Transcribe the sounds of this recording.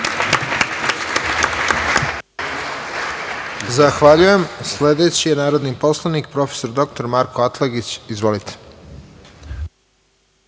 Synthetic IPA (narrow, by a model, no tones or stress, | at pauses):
zaxʋaʎuje̞msle̞d̪e̞t͡ɕijenaːɾo̞d̪nipo̞slˠanik̚pɾo̞feso̞ɾd̪o̞k̚t̪o̞ɾmaɾkʰo̞at̪lˠeɡit͡ɕizʋo̞lit̪ʰe̥